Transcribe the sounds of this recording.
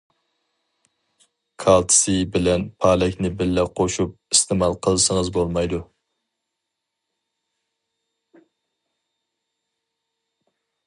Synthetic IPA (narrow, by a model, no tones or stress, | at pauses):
kʰɑlˠt̪ʰsɪbɪlɛnpʰɑlɛkʲnɪbɪlːɛqʰoʃup̚ist̪ʰɪmɑlˠqʰəlˠsəŋəzbolˠmɑjd̪u